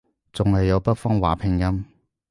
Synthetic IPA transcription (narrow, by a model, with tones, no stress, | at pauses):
t͡sʊ˨ŋhɐ˨jːɐ˨˧wpɐ˥t̚fɔː˥ŋwa̰ː˨˩pʰɪ˨ŋjɐ˥m